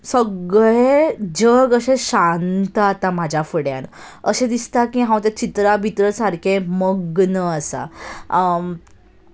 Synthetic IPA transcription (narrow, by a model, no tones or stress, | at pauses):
səɡɭed͡ʑəɡəɕeɕant̪əat̪am̤ad͡ʑʱjafəɽja̰n | əɕẽd̪ist̪akĩɦãwt̪ãt͡ɕit̪ɾabʱit̪ɾəsaɾkʰeməɡnəəsa̰